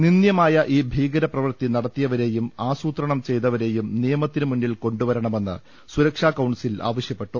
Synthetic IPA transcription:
ninjɐmaːjɐʔiːbʱiːɡɐɾɐprɐʋɐrt̪inɐɽɐt̪ːijɐʋɐɾe̞ːjumaːsuːt̪rɐɳɐmt͡ɕe̞jt̪ɐʋɐɾe̞ːjumnijɐmɐt̪ːinɨmuɳːilko̞ɳɖuʋɐɾɐɳɐme̞nːɨ̰ | suɾɐkʂaːkɐwɳsila̰ːʋɐɕjɐpːe̞ʈːu

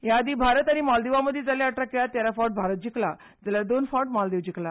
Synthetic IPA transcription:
jad̪iːbʱaɾət̪añimɔld̪eʋaməd̪ʱːjed͡zaljaəʈɾakjat̪jaɾafawʈ̚bʱaɾət̪̚d͡ʑikla | d͡zalad̪onfawʈmɔld̪eʋd͡ʑikla

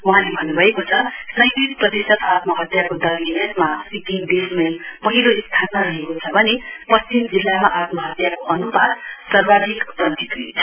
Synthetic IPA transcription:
wʌ̃ɦãlebʱʌnːubʱʌekot͡sʰʌsʌjɾisprʌd̪esʌt̪at̪mʌɦʌt̪jakod̪ʌminʌt̪masikid̪esmʌjpʌɦiloist̪ʰanmaɾʌɦekot͡sʰʌbʱʌnepʌt͡simd͡zilːamaʔat̪mʌɦʌt̪jakoʔʌnubad̪sʌrbad̪ʱikpʌt̪it̪i

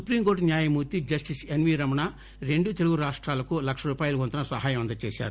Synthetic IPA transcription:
supɾiːmkoːɾʈnjaːjɐmuːɾt̪id͡ʒɐsʈisenʋiːɾɐmɐna | ɾe̞ɳɖut̪e̞luɡuɾaːʂʈɾaːlɐkulɐkʂɐɾuːpaːjuluɡɔnt̪ɐnɐsʋɐɦaːjɐmɐnd̪ɐt͡ʃeːʃa̰ːɾu

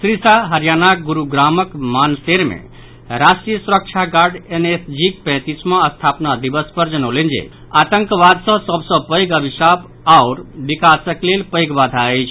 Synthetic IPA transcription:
sɾisaɦəɾjanaɡuɾuɡɾaməkmanseɾmḛ̃ | ɾasʈɾijəsuɾək̚t͡ʃʰaɡaɾɖenesd͡ʒik̚pɛ̃t̪ismãəst̪ʰapnad̪ibəspəɾd͡ʒənəlend͡ʒḛ | at̪əŋkbad̪sə̃səbʱsə̃pəjɡəbʱisab | aʊɾbikasəklelpəɪɡbad̪ʱaəjt͡ʃʰ

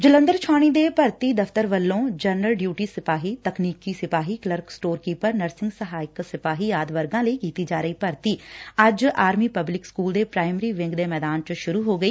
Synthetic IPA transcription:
d͡ʒələ̃nd̪əɾt͡ʃʰaːɽ̃iːd̪eːpəɾt̪iːd̪əft̪əɾʋəlːõːd͡ʒənəlɖjuːʈiːsɪpaːɦiːt̪əkniːkiːsɪpaːɦiːkləɾksʈoːɾkiːpəɾnəɾsɪ̃ŋɡsəɦaːɪksɪpaːɦiːjaːd̪ʋəɾɡãːləikiːt̪iːd͡ʒaːɾəiːpəɾt̪iːɐd͡ʒaːɾmiːpəblɪkskuːld̪eːpɾaːɪməɾiːʋɪ̃ŋɡd̪eːmɛːd̪aːnt͡ʃʃʊɾuːɦoːɡəiː

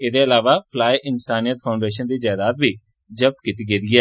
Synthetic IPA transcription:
ɪd̪eːəlaːʋaːpʰlaːiʔɪnsaːnijət̪pʰaːʊɳɖeːʃənd̪iːd͡ʒaːd̪aːt̪̚bʱiː | d͡ʒəb̚t̪kit̪iːɡeːd̪iːɛː

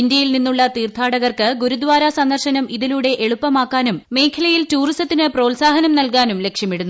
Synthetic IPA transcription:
ind̪jɐjilninːuɭːɐt̪iːrt̪ʰaːɽɐɣɐrkɨɡuɾud̪ʋaːɾɐsɐnd̪ɐrɕɐnɐmiðiluːɽe̞ʔeɭupːɐmaːkːaːnumːe̞ːkʰɐlɐjiltuːristɐt̪ːinɨpro̞ːlsaːɦɐnɐmnɐlkaːnumle̞kʂjɐmiɽunːu

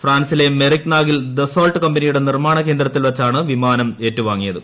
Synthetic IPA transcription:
fraːnsile̞merikːnaːɡild̪esoːlʈɨkɐmbɐnijuɽe̞nirmaːɳɐke̞ːnd̪ɾrɐt̪ːilʋɐt͡ɕːaːɳɨʋimaːnɐme̞ːtːuʋaːŋːijɐðɨ

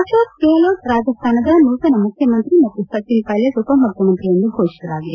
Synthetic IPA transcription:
ɐʂoːt̪̚keɐloːʈɾaːd͡ʒɐst̪ʰaːnɐd̪ɐnukɐnɐmukʰjɐmɐnt̪ɾimɐt̪ːusɐt̪ːinkaːljɐsupɐmːukʰjɐmɐnt̪ɾijɐnd̪ukoːt͡ʃɐɾaːɡi

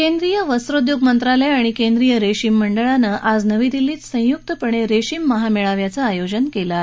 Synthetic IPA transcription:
kend̪ɾijəʋəsɾod̪joɡmənt̪ɾaləjaɽ̃ikend̪ɾijəɾeɕiːmːəɳɖəɭanəʔad͡znəʋid̪iliːt̪sə̃juk̚t̪əpəɳ̃eɾeɕiːmːəɦameɭaʋjat͡saajod͡ʑənkela

